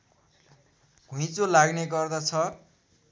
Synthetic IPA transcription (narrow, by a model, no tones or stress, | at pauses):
ɡ̥ʱũj̃t͡solaɡneɡʌrd̪at͡sʰʌ